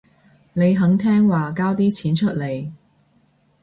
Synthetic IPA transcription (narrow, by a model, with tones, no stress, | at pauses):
ne˨˧jɦɐ˨˥ŋt̪ʰɛː˥ŋwaː˨kaː˥wt̪iː˥t͡sʰiː˨˥nt͡ʃʰɵ˥t̚le˨˧j